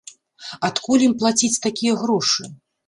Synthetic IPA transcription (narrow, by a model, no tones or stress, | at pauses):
at̪kulʲimplˠat͡sʲit͡sʲt̪akʲijɐɣɾɔʂɨ